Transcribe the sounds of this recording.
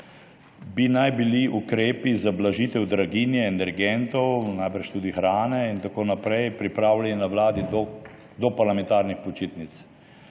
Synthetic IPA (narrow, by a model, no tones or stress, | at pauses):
binajbiliʔukɾeːpizablaʒit̪ɛwd̪ɾaɡinjɛːnɛɾɡɛnt̪ɔwnajbəɾt͡ʃt̪ud̪ixɾaːnɛint̪akoːnapɾɛjpɾipɾaːwlalinawlaːd̪id̪ɔ | d̪ɔpaɾlamɛ̃nt̪aːɾnixpɔt͡ʃit̪nit̪s